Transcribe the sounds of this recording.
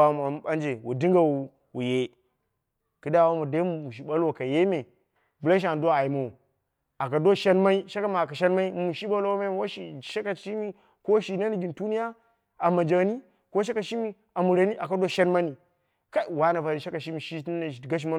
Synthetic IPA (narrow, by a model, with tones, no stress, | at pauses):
a˦m˨a˨˦a˦nd͡ʒe˨wṵ˨di˦ŋɡa˨wu˨ | wu˨je˦ | kɨ˦da˦˨wa˦ma˨da˦mu˨mu˨ʃ̬i˨ba˦lwo˨ka˨je˦me˨ | ba˦ʃ̬a˨n˨do˦a˨i˨ma˨u˨ | a˨ka˨do˦ʃe˦nma˦i˦ʃa˦ka˦ma˨ka˨ʃe˦nma˦i˦u˨ʃi˦ɓa˦lo˦wo˦me˦wa˦ʃi˨ʃe˦ka˨ʃi˦mi˦ | ko˦ʃi˨na˦ni˨ɡi˨tu˦ni˦ja˦ | a˨ma˨d͡ʒa˨ni˦ | ko˦ʃ̬e˦ka˨ʃi˦mi˦ | a˨mu˨ɾa˨ni˦ʔa˨ka˨do˦ʃe˦nma˦ni˨ | ka˦i˨wa˦na˨va˨ɾi˨ʃa˦ka˨ʃi˦mi˨ʃi˦na˨ɡa˦ʃ̬i˦ma˦